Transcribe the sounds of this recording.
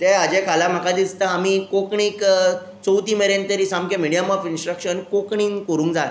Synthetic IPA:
t̪ead͡ʑẽkʰalam̤akad̪ist̪aamiːkokɳiːk | t͡sowt̪iːmeɾent̪əɾiːsamkemiɽijamafinsʈɾəkɕənkokɳiːnkoɾũːŋkd͡za

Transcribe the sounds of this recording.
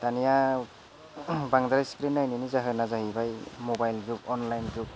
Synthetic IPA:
d̥anija | baŋdaɾajskɾinːajninizaɦɯnazaɦibajmɔbajlɡup̚ɔnlajnɡup̚

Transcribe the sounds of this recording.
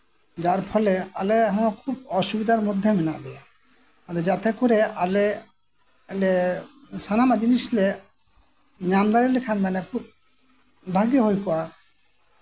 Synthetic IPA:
d͡ʒaɾpʰɔlealeɦokʰub̚ɔʃubid̪aɾmod̪ʱːeminaʔlia | ad̪ed͡ʒat̪ekoɾeale | le | sanamad͡ʒiniʃle | ɲamd̪aɾelekʰanmanekʰub̚ | bʱaɡijoɦojkɔwa

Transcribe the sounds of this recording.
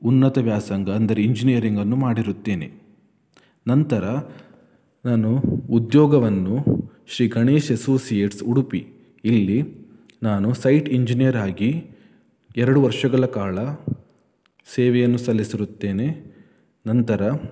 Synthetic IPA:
unːɐt̪ɐʋjaːsɐŋɡɐːnd̪ɐɾeiɲd͡ʒinijɐɾiŋɡɐnːumaːɽiɾut̪ːe̞ːnḛ | nɐnt̪ɐɾɐ | naːnuːd̪jɔːɡɐʋɐnːu | ʃɾiːɡɐɳeːʃesoːsijeːʈsuɽupi | ilːi | naːnusɐjʈiɲd͡ʒinijɐɾaːɡi | ɛɾɐɽuʋɐɾʂɐɡɐɭɐkaːɭɐ | sɛːʋɛjɐnːusɐlːisiɾut̪ːe̞ːne̞ | nɐnt̪ɐɾɐ

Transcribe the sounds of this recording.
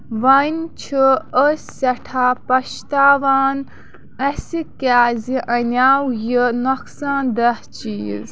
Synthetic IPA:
ʋɐnt͡ʃʰɨəsɐʈʰaːpɐʃt̪aːʋaːn | ɐsikʲaːziʔɐnʲaːwjinɔksãːnd̪ɐht͡ʃḭːz

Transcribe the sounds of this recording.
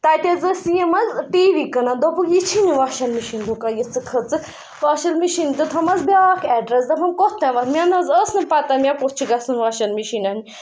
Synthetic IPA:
t̪ɐt̪ʲɐzəsiemɐzʈiːʋikɐnɐd̪opukit͡ʃʰiniʋaʃɐlmiʃind̪ukɐjit͡sɨkʰɐt͡sɨ | ʋaːʃɐlmiʃint̪ɨt̪ʰɐmɐzbʲaːkʰɛːɖɾɐsd̪ɐpʰɐmkot̪ɐ̃ʋɐt̪mʲanɐzəsnɨpɐt̪ɐmʲakot͡ʃʰiɡɐsɨnʋɐʃɐlmiʃinɐnʲ

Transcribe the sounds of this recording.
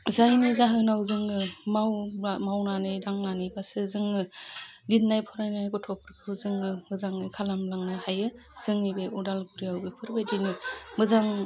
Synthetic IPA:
zajnizaɦɯnawzɯŋɯmawamawnanɯdaŋnanibasɯzɯŋɯlinnajpʰɔɾajnajɡɔtʰɔpɾɯkʰɯwzɯŋɯmɯzaŋɯkʰalamlaŋnɯhajɯz̥ɯŋnibeɔdalɡuɾijawbepʰɯɾbajdinɯmɯzaŋ

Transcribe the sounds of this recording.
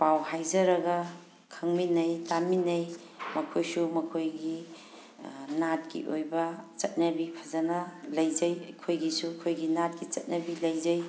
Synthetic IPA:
pawhajzɐɾɐɡɐ | kʰɐŋminɐjtaminɐj | mɐkʰojsumɐkʰojɡi | nat̚kḭʔojbɐt͡ʃɐt̚nɐbipʰɐzɐnɐlɐjzɐjɐkʰojɡisukʰojɡinat̚kit͡ʃɐt̚nɐbilɐjzɐj

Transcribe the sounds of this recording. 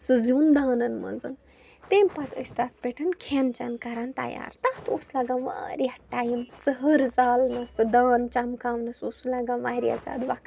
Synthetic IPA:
sɨzind̪aːnɐnmɐ̰nzɨn | t̪empat̪ʰə̰sʲt̪at̪̚ʰpeʈʰɨnkʰent͡ʃɐnkɐɾant̪ɐ̰ja̰ːɾt̪at̪ʰoslaɡãnʋa̰ɾiaʈaːjimsəɦəɾzaːlnɐsɨd̪aːnt͡ʃamkaːʋnɐsoːsulaɡanʋaːɾia̰za̰ːd̪ʋak

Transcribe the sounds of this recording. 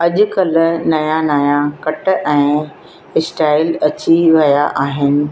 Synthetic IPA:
ɐʄʊ̆kɐl̆nɐjanaːjakɐʈ̆ʔɛ̃ː | ɪsʈaːɪlɐt͡ɕiʋɐjaʔaːɦɪnɪ̆

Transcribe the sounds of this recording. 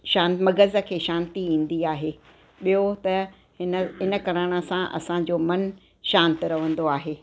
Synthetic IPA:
ʃãːnmɐɡəzə̆kʰeːʃãːnt̪iĩːn̆d̪iaːɦeː | ɓijot̪ɐ | hɪnəɦɪnə̆kɐɾaːɽ̃ə̆sãʔɐ̰sãd͡ʑoːmɐn | ʃãːnt̪ɾɐʋə̃nd̪oaːɦeː

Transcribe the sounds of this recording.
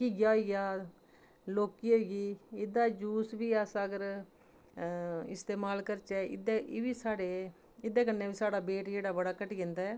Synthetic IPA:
kiːɡjaːɡaː | loːkiːoːɡiːɪd̪aːd͡ʒuːsʋiːasaəɡəɾ | ɪst̪eːmaːlkəɾt͡ʃɛːɪ̰d̪eʋiːsaːɽeː | ɪd̪eːkənːẽːbiːsaːɽaːbeːʈd͡ʒeːɽaːbəɽaːkəʈiɡẽnd̪aːɛː

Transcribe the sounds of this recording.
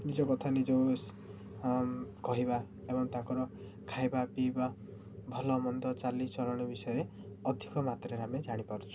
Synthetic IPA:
nid͡ʒɔkɔt̪ʰanid͡ʒos | kɔɦiba | ebɔŋt̪ãŋkɔɾɔ | kʰajbapiba | bʱɔlɔːmɔnd̪ɔt͡ʃalit͡ʃɔlɔɽ̃ibisɔjɔɾe | ɔd̪ʱikɔmat̪ɾeɾamed͡ʒaɽ̃ipaɾɔt͡ʃʰɔ̥

